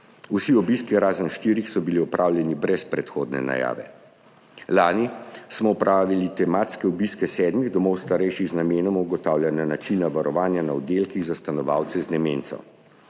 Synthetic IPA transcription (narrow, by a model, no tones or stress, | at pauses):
usiɔbiskiɾaːzənʃt̪iːɾixsɔbiliɔpɾʔaːwlʲjɛnibɾɛspɾɛt̪xoːd̪nɛ̰na̰ja̰ːʋɛ̰ | laːnismɔɔpɾʔaːʋilit̪ɛmat̪skɛɔbiskɛsɛːd̪miɣd̪ɔmɔwst̪aɾɛjʃiɣznameːnɔmuɡɔt̪aːwlʲjananat͡ʃinaʋaɾɔʋaːnjanaɔd̪elkiɣzast̪anɔʋa̰wt̪sɛznɛment̪sɔ̰